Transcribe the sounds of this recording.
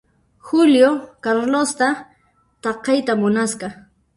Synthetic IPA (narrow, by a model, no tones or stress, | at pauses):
xʊljokaɾlost̪a | t̪ɑqɑjt̪amʊnasqɑ